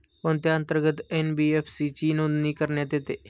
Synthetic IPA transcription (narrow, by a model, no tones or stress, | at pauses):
pont̪jaə̃nt̪əɾɡət̪enbiːeːpʰsit͡ʃiːnõd̪nikəɾnjat̪et̪eː